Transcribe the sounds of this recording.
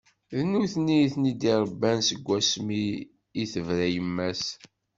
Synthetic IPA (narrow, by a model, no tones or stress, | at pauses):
ðnuθniθnid̪iɾˤəbːænsəɡʷːæsmiː | θəvɾæjəmːæs